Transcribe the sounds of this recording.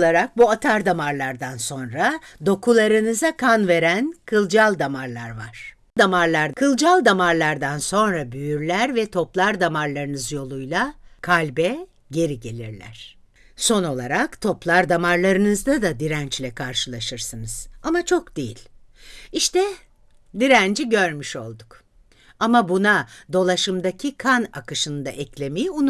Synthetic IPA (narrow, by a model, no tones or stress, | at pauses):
lˠaɾak̚buat̪ʰaɾd̪amaɾlˠaɾd̪anso̞nɾad̪o̞kʰulˠaɾɯnɯzakʰanve̞ɾænkʰɯlˠd͡ʒalˠd̪amaɾlˠaɾva̰ɾ̥ | d̪amaɾlˠaɾkʰɯlˠd͡ʒalˠd̪amaɾlˠaɾd̪anso̞nɾabyjyɾlʲæɾvɛt̪ʰo̞plˠaɾd̪amaɾlˠaɾɯnɯzjo̞lˠujlˠakʰalʲbɛ | ɟe̞ɾiɟe̞lʲḭɾlʲæ̰ɾ̝̥ | so̞no̞lˠaɾakt̪ʰo̞plˠaɾd̪amaɾlˠaɾɯnɯzd̪ad̪ad̪iɾænt͡ʃlʲɛkʰaɾʃɯlˠaʃɯɾsɯnɯz̥amat͡ʃʰo̞kd̪ejilʲ | iʃt̪ɛ | d̪iɾænd͡ʒiɟø̞ɾmyʃo̞lˠd̪uk | amabunad̪o̞lˠaʃɯmd̪acʰikʰana̰kɯʃɯnd̪a̰ʔɛclʲe̞mejiun